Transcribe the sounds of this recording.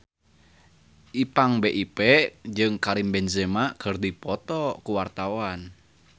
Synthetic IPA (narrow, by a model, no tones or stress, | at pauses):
ʔipaŋbeʔipɛd͡ʒɨŋkaɾimbɛnzemakərd̪ipɔt̪ɔkuwart̪awan